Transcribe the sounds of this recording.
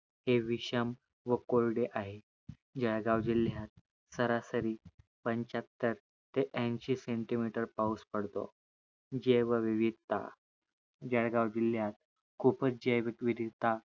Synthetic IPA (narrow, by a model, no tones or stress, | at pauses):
heʋiɕəm | ʋəkolɖeʔaɦe | d͡ʑaɽɡawd͡ʑiljat̪̚ | səɾasəɾiː | pəɲt͡ɕat̪ːəɾ | t̪eʔɛ̃nɕiseɳʈimiʈəɾpauspəɽt̪o̰ | d͡ʑeʋəʋiʋid̪t̪a̰ | d͡ʑaɽɡawd͡ʑilːjat̪̚ | kʰupət͡sd͡ʑeʋkʋid̪it̪a